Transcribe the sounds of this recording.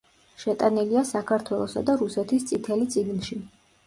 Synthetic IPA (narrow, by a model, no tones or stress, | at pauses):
ʃɛt̪ʼaniliasakʰaɾt̪ʰwɛlˠɔsad̪aɾusɛt̪ʰist̪sʼit̪ʰɛlit̪sʼiɡnʃi